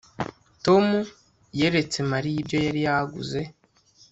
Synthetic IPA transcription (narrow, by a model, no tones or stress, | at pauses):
to̞mu | jeɾet͡se̞maɾijibɟo̞jaɾijahaɡṵze̞